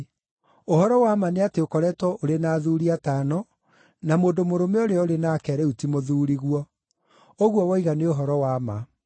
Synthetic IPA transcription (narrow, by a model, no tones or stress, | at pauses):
ohɔɾɔwamaneateokɔɾɛtwɔʔoɾenaːðuɾiataːnɔ | namoːndomoɾomɛoɾeɔoɾenakɛɾɛutimoðuːɾiɣwɔ | oɣwɔwɔiɣaneoɦɔɾɔwama